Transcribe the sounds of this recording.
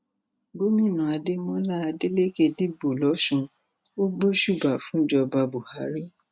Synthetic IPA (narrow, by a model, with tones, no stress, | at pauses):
bo˨˦mĩ˦˨nũ˨a˧de˦mɔ̃˦la˦a˧de˦le˦ke˧di˦bo˨lɔ˨˦ʃũ˧ | o˦ɡ͡bo˦ʃu˦˨ba˨fũ˦d͡ʒɔ˧ba˧bu˨ha˨˦ɾi˦